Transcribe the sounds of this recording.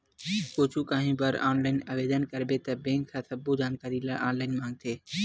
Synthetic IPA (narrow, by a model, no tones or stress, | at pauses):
koːt͡ʃʰuːkãːɦĩːbəɾa̰ːnlaːɪnɐʋeːd̪ənkəɾbeːt̪ɐbẽːŋkʰːãːsɐbod͡ʒaːnkaːɾilɐʔaːnlaːɪnmãːŋɡ̚t̪ʰeː